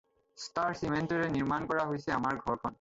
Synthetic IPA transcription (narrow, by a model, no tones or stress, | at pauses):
staɹsimentɔɹɛniɹmankɔɹaɦojsɛamaɹɡʱɔɹkʰɔn